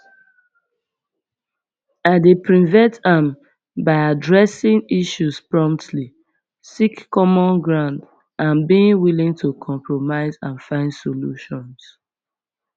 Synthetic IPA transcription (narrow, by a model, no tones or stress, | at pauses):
aɪdepɹĩvɛ̃ntãm | baɪadɹɛsĩŋiʃuspɹɔ̃mptʰli | sikːɔmɔ̃nɡɹãnd | ãnbĩŋwilĩŋtʰukʰɔ̃mpʰɹomaɪzãnfãɪ̃ndsoluʃɔ̃ns